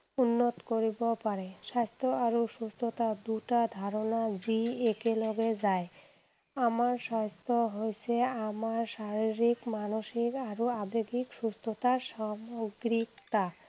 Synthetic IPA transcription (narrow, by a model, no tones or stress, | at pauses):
unːot̪koɾibopaɾeʃast̪ʰoaɾoʃust̪ʰot̪ad̪uʈad̪ʱaɾonad͡ʑiekelɔɡed͡ʑae | amaɾʃast̪ʰoɦojt͡ɕʰeamaɾʃaɾiɾikmanoʃikaɾoabeɡikʃust̪ʰot̪aɾʃamoɡɾikt̪a